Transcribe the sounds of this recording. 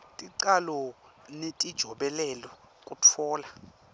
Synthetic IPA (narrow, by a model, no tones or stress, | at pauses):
tʼiǀalɔ | netʼid̥ʒ̥ʱɔɓɛlɛlɔ | kʼut͡fʰɔːla